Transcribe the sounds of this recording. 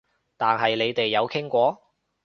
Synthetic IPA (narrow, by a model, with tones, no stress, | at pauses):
t̪aː˨˩nɦɐ˨jle˨˧jt̪e˨jːɐ˨˧wkʰɪ˥ŋkʷɔː˨˧